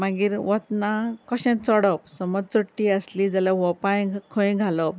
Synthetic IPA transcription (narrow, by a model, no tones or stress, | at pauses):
maɡiːɾʋɔt̪nakɔɕɛ̃t̪t͡sɔɽɔpsɔmɔd͡zt͡səʈːiəslid͡zalaʋɔpajkʰə̃ĩɡʱalɔp